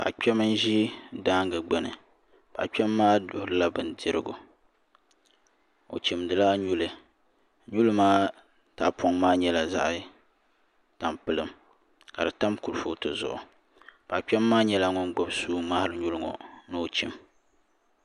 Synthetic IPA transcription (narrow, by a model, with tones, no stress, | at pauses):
ba̰˨ʔk͡pʲɛ˦mɨ˦n˦ʒi˦daː˦ŋɡɨ˨ɡ͡bɛ˦nɨ̰˨ | b̥a̰˨ʔk͡pɛ˦mːaː˦dʊ˨hɨ˦la˦bɨ˨ndɪ˦ɾɨ̰˦ɡʊ̰˨ | o̰˨t͡ʃi˨mdɨ˨laː˦ɲu˦lɨ˨ | ɲu˦lɨ˦maː˦ | ta˨pʰɔ˦ŋmaː˦ɲɛ˦la˨za̰˦ʔ | ta˨mpɨ˦lɨ˦m | ka˨dɨ˨ta˦mku˨ɾfo˦tɨ˨zʊ̰˨ʔʊ̰˨ | ba˨k͡pɛ˦mːaː˦ɲɛ˦la˦ŋɔ˦nɡ͡bɔ˦bsuː˦ma˦hɾɨ˦ɲu˦lɨ˦ŋɔ̰˨nɨ˦o˨t͡ʃi˨m